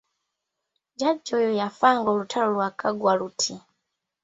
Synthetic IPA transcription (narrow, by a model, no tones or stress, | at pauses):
d͡ʒad͡ʒɔjɔjafaŋɡɔlutʰalɔlwakʼaɡwalutʰi